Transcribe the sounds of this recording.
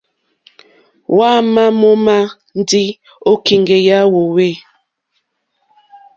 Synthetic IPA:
wa˦ma˦mo˦ma˦ | n˦di˦ | o˦ki˨ŋɡe˨ja˦wo˨we˦˨

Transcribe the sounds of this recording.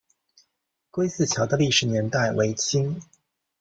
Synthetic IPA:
kwe˥ɪsɹ̩˥˩t͡ɕʰjɑ˧˥ʊd̪ə˧li˥˩ʂɻ̩˧˥˦njɛ˧˥nt̪a˥˩ɪwe˧˥ɪt͡ɕʰi˥ŋ

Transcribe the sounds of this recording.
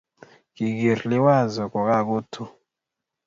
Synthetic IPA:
kɪ˨ɡe˨ɾlɪ˦wa˦˨zɔ˨kɔ˨ka˦˨ɡo˦tʰu˦

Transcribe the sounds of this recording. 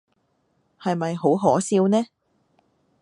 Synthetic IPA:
hɐ˨jmɐ˨jɦo˨˥wɦɔː˨˥siː˧wnɛː˥

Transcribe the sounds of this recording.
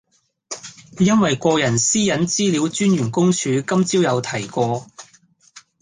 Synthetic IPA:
jɐ˥nwɐ˨jkɔː˧jɐ˨˩nsiː˥jɐ˨˥nt͡siː˥li˨˧˥wt͡ʃyː˥njyː˨˩nkʊ˥ŋt͡ʃʰyː˨˧kɐ˥mt͡siː˥wjɐ˨˧wt̪ʰɐ˨˩jkɔː˧

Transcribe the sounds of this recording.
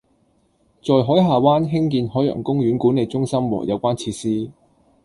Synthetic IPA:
t͡ʃɔː˨jɦɔː˨˥jɦaː˨waː˥nɦɪ˥ŋkiː˧nɦɔː˨˥jœ̰ː˨˩ŋkʊ˥ŋɥyː˨˥nkuː˨˥ne˨˩jt͡sʊ˥ŋsɐ˥mwɔ̰ː˨˩jɐ̰˨˧wkʷaː˥nt͡sʰiː˧tsiː˥

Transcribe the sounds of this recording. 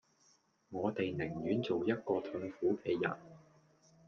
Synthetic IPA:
ŋɔː˨˧t̪e˨jnɪ˨˩ŋjyː˨˥nt͡so˨wjɐ˥t̚kɔː˧t̪ʰɵ˧ŋfuː˨˥kɛː˧jɐ̰˨˩n

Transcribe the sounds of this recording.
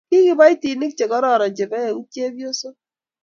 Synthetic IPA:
ki˦kɪ˦ba˦jti˨nɪ˦k̚t͡ʃe˨kɔ˦ɾɔ˨ɾɔ˨d͡ʒe˨bɛ˦˨u˦t͡ʃe˦bjo˦so˦

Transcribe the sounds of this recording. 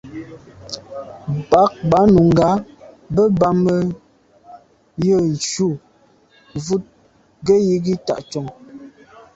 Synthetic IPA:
ba˨˦k̚ba˨˦nu˨ŋ̩˨ɡa˨˦ | bə˦ba˦mə˦ | jə˦˨n̩˨t͡ʃu˦˨ | vu˦t̚ | ɡə˦ji˦ɡi˦ta̰˨ʔt͡ʃɔ˨ŋ

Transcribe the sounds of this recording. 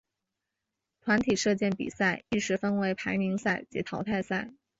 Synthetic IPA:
t̪ʰwa˧˥nt̪ʰi˨˩ʂɤ˥˧t͡ɕjɛ˥˩npḭ˨˩sa˥˩˧ɪi˥˩ʂɻ̩˧˥fə˥nwe˧˥ɪpʰa˧˥ɪni˧˥ŋsa˥˩ɪt͡ɕɛ̰˧˥t̪ʰɑ˧˥ʊt̪ʰa˥˧ɪsa˥˩ɪ

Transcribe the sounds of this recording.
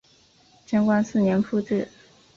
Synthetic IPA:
ʈ͡ʂə˥nkwa˥˧nsɹ̩˥˩njɛ˧˥nfu˥˧ʈ͡ʂ̩˥˩

